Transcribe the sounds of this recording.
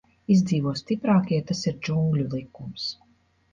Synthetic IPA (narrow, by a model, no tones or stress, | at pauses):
izd̪ziːvuɔst̪ipɾaːkiɛt̪asiɾd͡ʒuŋɡlʲulˠikums